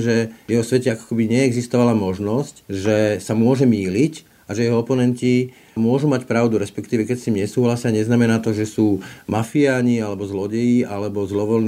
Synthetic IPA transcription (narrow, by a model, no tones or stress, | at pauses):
ʒɛjɛɦɔsʋɛcɛakɔ̥kɛbiɲɛːɡzist̪ɔʋalamɔʒnɔscʒɛsamʊɔʒɛmiːlic | aʒɛjɛɦɔɔpɔnɛnci | mʊɔʒumacpɾaʊd̪uɾɛspɛkt̪iːʋɛkɛcst̪iːmɲɛsuːɦlasɪaɲɛznamɛnaːt̪ɔʒɛsuːmafiaːɲialɛbɔzlɔɟɛjiʔalɛbɔzlɔʋɔln